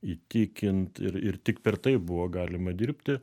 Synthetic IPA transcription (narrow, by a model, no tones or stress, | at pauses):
it̪ʲiːkʲɪnt̪ɪ̰ɾɪrt̪ʲɪkpʲɛrt̪ɐɪpbʊʋoːɡɑːlʲɪmɐd̪ʲiːɾʲpʲt̪ʲɪ